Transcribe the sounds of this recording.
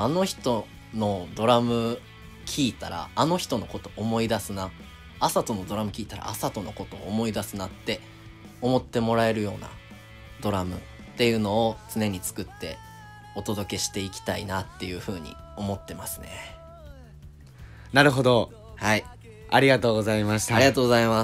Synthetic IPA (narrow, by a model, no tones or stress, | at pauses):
ano̞çi̥t̪o̞ | no̞d̪o̞ɾamɯ̟ | kʲiːt̪a̰ɾa̰ːno̞çi̥t̪o̞no̞ko̞t̪o̞ʔːmo̞id̪asɨna | asat̪o̞no̞d̪o̞ɾamɯ̟kʲiːt̪aɾa̰ːsat̪o̞no̞ko̞t̪o̞ːmo̞id̪asɨnat̪ːe̞ | o̞mo̞t̪ːe̞mo̞ɾae̞ɾɯ̟jo̞ːna̰ | d̪o̞ɾamɯ̟̰ | t̪e̞jɯ̟ːno̞ːt͡sɨne̞ɲ̟it͡sɨ̥kɯ̟t̪ːe̞̰ | o̞t̪o̞d̪o̞ke̞ɕi̥t̪e̞ikʲi̥t̪aḭnat̪ːe̞jɯ̟ɸɯ̟ːɲ̟ḭ | o̞mo̞t̪ːe̞masɨ̥ne̞̰ | naɾɯ̟ɦo̞d̪o̞ | hai | aɾʲiɡat̪o̞ːɡo̞zaimaɕi̥t̪aɾiɡat̪oːɡozaima